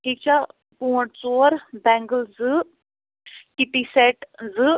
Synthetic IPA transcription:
ʈʰiːk̚t͡ɕa | pũəʈ̚t͡soːɾbɛ̃ŋɡəld͡zɨ | kit̪isɛʈd͡zɨ

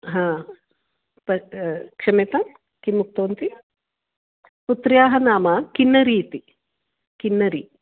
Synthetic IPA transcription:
ɦãː | pɐkʂɐmet̪ɐm | kimːuk̚t̪oːnt̪i | put̪ɾjaːɦɐnaːmɐkinːɐɾiːt̪i | kinːɐɾi

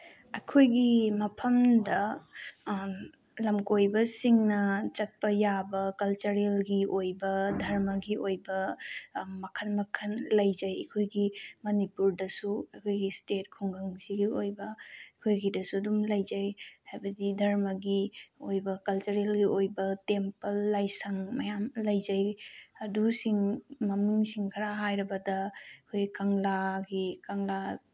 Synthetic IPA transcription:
ɐkʰojɡimɐpʰɐmdɐ | lɐmkojbɐsiŋnɐt͡ʃɐt̚pɐjabɐkɐlt͡ʃɐɾelɡiʔojbɐdʱɐɾmɐɡiʔojbɐ | mɐkʰɐnmɐkʰɐnlɐjzɐjɐ̰kʰojɡimɐnipuɾdɐsuɐkʰojɡistet̚kʰuŋɡɐŋsiɡiojbɐkʰojɡidɐsudumlɐjzajhajbɐdidʱɐɾmɐɡiojbɐkɐlt͡ʃɐɾelɡiʔojbɐtempɐlːajsaŋmɐjamlɐjzajɐdusiŋmɐmiŋsiŋkʰɐɾaɦajɾɐbɐdɐkʰojɡikaŋlaɡikaŋla

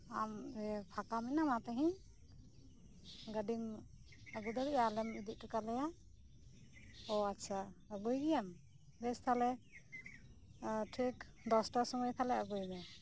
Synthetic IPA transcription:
amɛpʰakaminamat̪ɛɦĩ | ɡəɖim | əɡud̪ɔɾiʔalɛmid̪iʔ̚ʈukalɛja | ɔatːt͡ʃʰaəɡujɡijam | bɛst̪ʰalɛ | ʈʰik | d̪ɔsʈasɔmɔjt̪ʰalɛəɡujmɛ

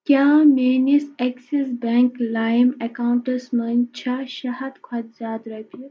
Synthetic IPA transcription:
kʲjaːmeːniseksesbeŋklaːjmekaːuɳʈɐsmɐnt͡ʃʰɐʃɐɦɐd̪kʰɐt̪zʲaːd̪ɾɐt̪u

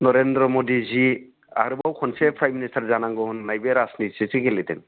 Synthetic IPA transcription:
nɔɾendɾɔmɔdizi | a̰ɾɯbawkʰɔnsepʰɾajministaɾzanaŋɡɔhunːajbeɾasniti̥sesikeletḛŋ

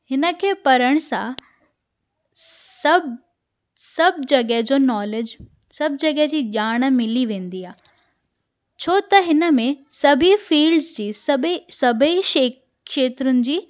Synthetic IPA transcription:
hɪnə̆kʰeːpɐɾəɽ̃sã | sɐb | sɐbʱd͡ʑɐɠəɦd͡ʑoːnɔːled͡ʑ | sɐb̚ʱd͡ʑɐɡəɦɛd͡ʑiːʄaːɽ̃mɪliʋẽːn̆d̪iaː | t͡ɕʰoːt̪ɐɦɪnə̆mẽsɐbʱifiːlɖzd͡ʑiːsɐbsɐbʱəiʃeː | ʃeːt̪ɾʊnɪ̆d͡ʑiː

